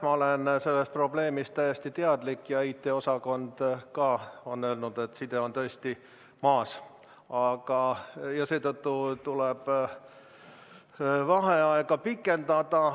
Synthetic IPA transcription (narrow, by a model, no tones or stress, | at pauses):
mɑolense̞lːest̪̚pro̞ble̞ːmist̪æjest̪it̪eɑd̪̥likːˑjɑiːt̪ːˑe̞o̞sɑko̞nd̪̥kɑːo̞nːø̞ːlnud̪̥e̞t̪ːsid̪̥e̞o̞nt̪ɤest̪i | mɑːs | ɑɡ̥ɑjɑse̞ːt̪ɤt̪ːut̪uleb̥ | vɑɦe̞ɑeɡ̥ɑpikːˑe̞nd̪ɑd̪̥ɑ